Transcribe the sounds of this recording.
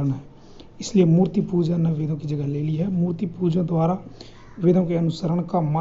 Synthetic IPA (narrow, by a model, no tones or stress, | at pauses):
ɾnɦɛː | ɪsliemuːɾt̪ipuːd͡ʒãːnaʋɪd̪õkid͡ʒəɡəɦleːliɦɛmuːɾt̪ipuːd͡ʒãd̪ʊaːɾaː | ʋɪd̪õkeənʊsəɾəɳkama